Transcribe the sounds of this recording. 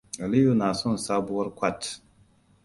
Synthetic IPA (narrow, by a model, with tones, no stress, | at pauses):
a˨li˦jo˦na˨sɔ˦n˨sa˦bu˦ɔ˦ɾkʷa˦˨t